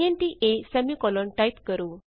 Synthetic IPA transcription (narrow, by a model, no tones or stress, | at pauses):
enʈiʔesɛmikɔloɳʈajt̪kəɾu